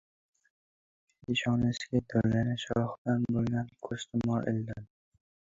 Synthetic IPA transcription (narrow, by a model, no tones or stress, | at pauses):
ɪʃɒnɪsɪɡʲad̪ɒɾlanɪʃɒχb̪anbolˠɡʲankʰɵɾst̪ʰɪmɒʔɪld̪an